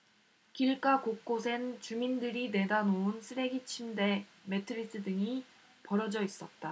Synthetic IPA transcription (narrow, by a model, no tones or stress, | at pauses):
kiɭk͈akok͈osʰe̞nt͡ɕumindɯɾine̞danounsʰɯɾe̞ɡit͡ɕʰimde̞me̞tʰɯɾis͈ɯdɯŋi | pʌɾʌd͡ʑʌis͈ʌt̚t͈a